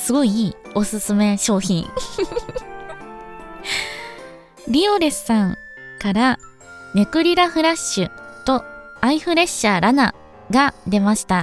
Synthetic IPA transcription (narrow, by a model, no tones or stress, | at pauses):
sɨɡo̞iiːo̞sɨsɨme̞ɕo̞ːçĩŋ | ɾʲioɾe̞sɨ̥sãŋ | kaɾa | me̞kɯ̟ɾʲiɾaɸɯ̟ɾaɕːɨt̪o̞ | aiɸɯ̟ɾe̞ɕːaːɾana | ɡad̪e̞maɕi̥t̪a